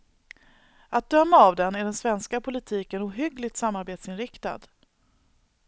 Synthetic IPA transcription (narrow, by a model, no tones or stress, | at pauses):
at̪̚d̪œmːaːvd̪ɛnːæɖɛnsvɛnskapʰʊlɪt̪ʰiːkənuːɦʏɡlɪɡt̪samːaɾbeːt̪sɪnɾɪkt̪a̰d̪̥